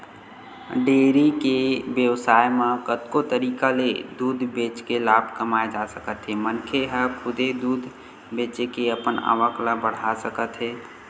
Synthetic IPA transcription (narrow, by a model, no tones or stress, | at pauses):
ɖeːɾikebjəwsaːjmãkət̪kot̪əɾiːkaled̪uːd̪ʱbeːt͡ʃkelaːbʱkəmaed͡ʒasəkət̪ɦɛmənkʰeɦəkʰʊd̪ed̪uːd̪ʱ | beːt͡ʃekeəpəna̰ʋəklabəɽ̤asəkət̪ɦɛː